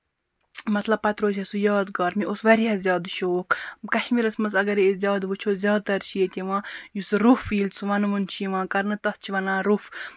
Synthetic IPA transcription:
mɐt̪lɐb̚pɐt̪ɾoːt͡ʃɐsujaːd̪ɡɐːɾmiʔosʋɐɾiɦɐzʲjaːd̪ʃoːkkɐʃmiɾɐsmɐsɐɡɐɾiezʲaːd̪ʋut͡ʃʰoːzʲjaːd̪̚t̪ɐɾt͡ʃʰijet̪ʲiʋãːjusɾufiːlt͡sʰuʋɐnʋunt͡ʃʰiʋãːkɐɾnɨt̪ɐst͡ʃʰiʋɐnãːɾuf

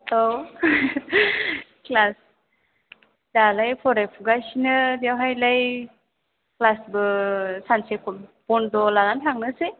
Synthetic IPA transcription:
tow | klas | dalajpʰɔɾajpʰuɡasinɯdawɦajlaj | klasbɯsansekʰɔnpɔndɔlalantʰaŋnɯse

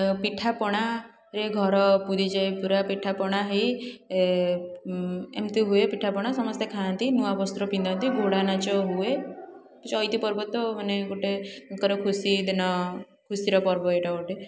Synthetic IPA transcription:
piʈʰapɔɽ̃a | ɾeɡʱɔɾɔpud̪id͡ʒajpuɾapiʈʰapɔɽ̃aɦej | emt̪iɦuepiʈʰapɔɽ̃asɔmɔst̪jekʰant̪inuabɔst̪ɾɔpind̪ɔnt̪iɡʱoɽanat͡ʃɔɦue | kut͡ʃɔjt̪ipɔɾbɔt̪ɔmaneɡoʈekɔɾekʰusid̪enɔ | kʰusiɾɔpɔɾbɔeʈaoʈe

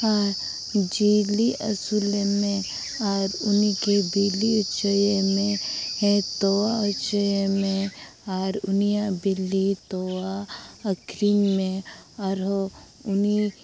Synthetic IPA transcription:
aɾ | d͡ʒiliʔɐsulemẽ | aːɾʊnikebiliut͡ʃəjemẽẽt̪owaut͡ʃəjemẽaːɾʊnijabilːit̪owaəkɾinmẽaɾo | ʊni

